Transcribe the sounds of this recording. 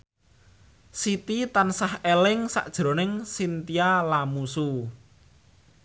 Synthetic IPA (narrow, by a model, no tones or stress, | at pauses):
sit̪it̪ansahelɪŋsa̰ʔd̥ʒ̥ɾo̤nɪŋsint̪ialamusu